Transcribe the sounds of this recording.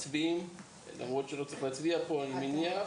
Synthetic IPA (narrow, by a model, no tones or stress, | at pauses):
tbim | la̰mʁo̞tʃelo̞t͡seχlaːt͡sviapolminja